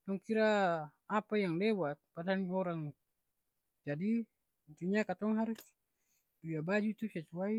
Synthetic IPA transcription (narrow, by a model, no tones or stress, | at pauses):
t̪ɔŋkiɾaː | pajaŋlɛwat̪̚padaniɔɾaŋ | d͡ʒadi | t̪uɲakat̪ɔŋɦaɾus | biabad͡ʒut̪usɛt͡ʃuai